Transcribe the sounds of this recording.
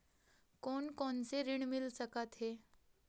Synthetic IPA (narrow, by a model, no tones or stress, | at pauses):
koɳkont͡seɾiɳmilsəkat̪ɦe